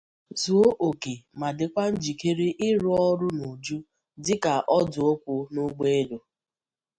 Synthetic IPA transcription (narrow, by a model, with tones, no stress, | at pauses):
zu˨o˦ʔo˨ke˨ma˨dɪ˨kʷa˦n̩˦d͡ʒi˨ke˦ɾe˦ʔɪ˦ɾʊ˦ɔ˦ɾʊ˦no˨d͡ʒu˦ | dɪ˦ka˨ʔɔ˦dʊ˨o˦kʷʊ˦nʊ˦ɡ͡be˦e˦do˨